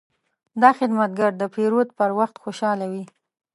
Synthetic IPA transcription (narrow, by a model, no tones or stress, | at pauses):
d̪ɑxɪd̪mat̪̚ɡaɾd̪əpeɾot̪̚pəɾwaxt̪xoʃɑlawi